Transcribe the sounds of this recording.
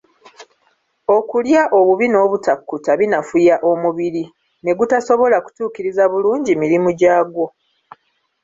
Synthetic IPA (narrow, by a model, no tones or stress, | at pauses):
o̞kuljaʔo̞βuβino̞βutakːutaβinafujaʔo̞muβiɾi | ne̞ɡutaso̞βo̞laku̥tuːkiɾizaβuluːɲɟimiɾimuɟaːɡo̞